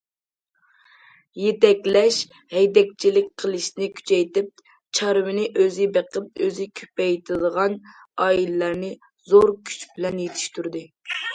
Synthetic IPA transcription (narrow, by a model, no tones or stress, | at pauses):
jet̪ɛkʲlɛʃ | hɛjd̪ɛk̚ʲt͡ʃʰilɪk̚ʲqʰəlˠɨʃnɪkʲʰy̥t͡ʃʰɛjt̪ɪp̚ | t͡ʃʰɑɾwɪnɪʔøzɪbeqəp̚øzɪkʲʰø̥pɛjt̪ʰɪd̪əʁɑn | ɑːilɪlæɾnɪ | zoɾkʲʰy̥t͡ʃbɪlɛnjet̪ʰɪ̥ʃt̪yɾd̪ɨ